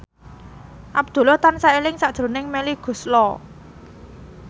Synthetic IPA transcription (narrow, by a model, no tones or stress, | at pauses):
ʔab̚d̪̥ṳlɔht̪ansaelɪŋsad̥ʒ̥ɾo̤nɪŋmeliɡ̥ṳslɔ